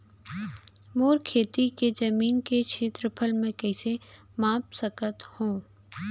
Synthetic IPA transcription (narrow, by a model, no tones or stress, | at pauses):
moːɾkʰeːt̪iked͡ʒɐmiːnket͡ʃʰeːt̪ɾəpʰəlmẽkɛɪse | mãːpsəkət̪hõː